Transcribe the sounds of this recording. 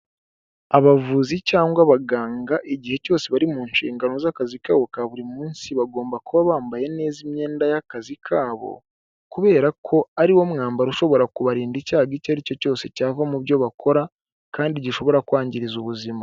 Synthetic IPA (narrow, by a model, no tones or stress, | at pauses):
aβavuzicaːŋɡwaβaɡaːŋɡaʔiɟihe̞co̞ːse̞βaɾimuːnʃḭːŋɡano̞zakazikaːβo̞kaβuɾimmuːnsiβaɡo̞ːmbakuβaβaːmbaje̞ne̞ːzimɲe̞ːndajakazikʰaːβo̞̰ | kuβe̞ːɾakʰo̞aɾiwo̞mŋaːmbaɾuʃo̞βo̞ɾakuβaɾiːndicaːɡicaɾico̞co̞ːse̞caːvamuβjo̞βakʰo̞ɾa | kaːndiɟiʃo̞βo̞ɾakwaːɲɟiɾizuβuzima